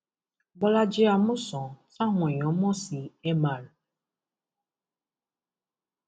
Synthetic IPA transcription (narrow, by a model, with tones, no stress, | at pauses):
ba˦la˦d͡ʒɪ˦a˨mʊ̃˦sɔ̃˨sã˦ɦɔ̃˨ɲ˨ɔ˨˦mɔ̃˦si˨e˦mã˨ɾ